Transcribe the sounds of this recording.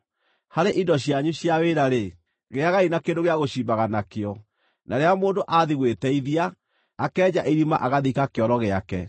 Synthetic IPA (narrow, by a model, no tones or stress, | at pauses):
haɾeʔindɔɕjaɲuɕjaweɾaɾe | ɣeaɣainakendoɣeaɣoɕiːmbaɣanakeɔ | nʔaɾeamoːndoʔaðiɣwetɛiðiaː | kɛːd͡ʑaʔiɾima̰ʔaɣaðikakeɔɾɔɣeakɛ